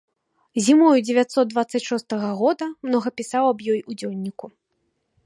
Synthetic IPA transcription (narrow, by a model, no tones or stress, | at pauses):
zʲimɔjud͡zʲevʲat̪sɔt̪d̪vat̪sːɐt͡sʲʂɔst̪ɐɣɐɣɔd̪ɐmnɔɣɐpʲisawɐbjɔjud͡zʲɔlʲnʲːiku